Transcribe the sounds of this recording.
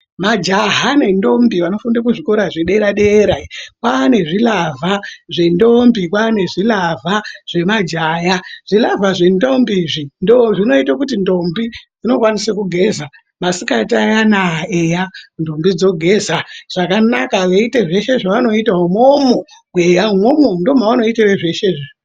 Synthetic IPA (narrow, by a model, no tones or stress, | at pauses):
mad͡ʒaɦane̞ndo̞mbiʋano̞fundakuʐiko̞ɾaʐeɗe̞ɾaɗe̞ːɾaikwaːne̞ʐilavʱaʐe̞ndombikwaːne̞ʐilavʱaʐ̥e̞mad͡ʒaːjaʐ̥ilavaʐe̞ndo̞mbiʐindoʐino̞itakutindo̞mbid͡zino̞kwanisekuɡʱe̞za | masikatajanaejando̞mbid͡zo̞ɡʱe̞zaʐ̥akanakaʋeite̞ʐe̞ʃe̞ʐaʋano̞itaomomo | ɡwejaumomondo̞m̤aano̞iteʋeʐeʃeʐe